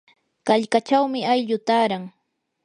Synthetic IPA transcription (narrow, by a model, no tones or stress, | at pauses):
kaʎkat͡ʃawmɪajʎʊt̪aːɾaŋ